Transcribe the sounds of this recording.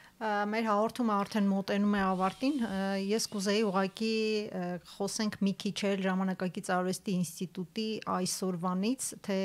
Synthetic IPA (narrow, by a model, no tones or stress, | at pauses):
mɛɾɦɑʁɔɾt̪ʰuməɑɾt̪ʰɛnmɔt̪ɛnumɛɑvɑɾt̪injɛskuzɛjiuʁɑki | χɔsɛŋkʰmikʰit͡ʃʰɛlʒɑmɑnɑkɑɡit͡sɑɾvɛst̪iːnst̪it̪ut̪iʔɑjsɔɾvɑnit͡sʰt̪ʰɛ